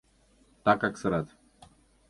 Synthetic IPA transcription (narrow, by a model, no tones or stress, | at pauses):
t̪akaksəɾat̪